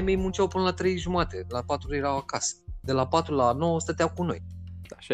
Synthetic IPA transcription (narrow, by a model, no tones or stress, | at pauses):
jme̞jmunt͡ʃawpunəlat̪ɾe̞jʒumat̪e̞lapat̪ɾujeɾawakasə̥d̪e̞lapat̪ɾulano̞wəst̪ət̪ejawkuno̞̰j